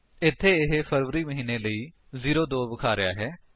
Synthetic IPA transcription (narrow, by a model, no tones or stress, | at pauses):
ɪt̪ʰːeːɪɦepʰəɾʋɾiːməɦiːneːləiː | ziːɾoːd̪oːbəkʰaːɾɪja̰ːɦɛː